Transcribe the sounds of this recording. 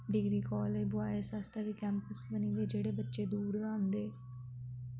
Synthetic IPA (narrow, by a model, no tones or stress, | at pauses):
ɖɪɡɾiːkɔːleːd͡ʒbʊaːesast̪ʰaʋiːkɛ̃ːmpəsbənĩːd̪eːd͡ʒeːɽeːbətːʃeːd̪uːɾãːnd̪eː